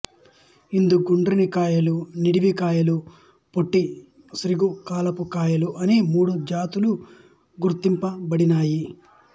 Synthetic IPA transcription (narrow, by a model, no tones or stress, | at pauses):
ind̪uɡuɳɖɾinikaːjɐluniɽiʋikaːjɐlu | poʈːi | sɾiɡukaːlɐpukaːjɐluʔɐnimuːɽud͡ʒaːt̪ulu | ɡuɾt̪impɐbɐɽinaːji